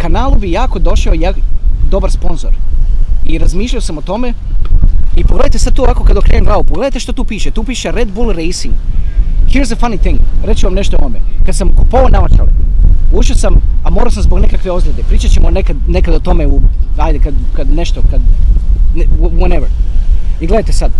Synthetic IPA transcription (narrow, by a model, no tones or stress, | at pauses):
kanaːlˠubijaːko̞d̪o̞ʃaojaːd̪o̞baɾspo̞nzo̞̰ɾ | iɾazmiːʃlʎaosamo̞t̪o̞me | ipoɡle̞d̪ajt̪esad̪̚t̪uːaːko̞kad̪o̞kɾeːnenɡlaupoɡled̪ajt̪eʃt̪ot̪uːpiːʃet̪uːpiːʃeɾed̪bulɾejsiŋɡhiːɾzefanit̪iŋɡɾet͡ʃuʋamneʃt̪ooʋomekad̪samkupoonaot̪a̰luʃosamamo̞ːɾasamzbo̞ɡnekakʋe̞o̞zɾed̪epɾiːt͡ʃat͡ɕemonekad̪nekad̪ot̪o̞me̞uajd̪ekad̪kad̪neʃt̪okad̪nweneʋeɾiɡled̪ajt̪esad̪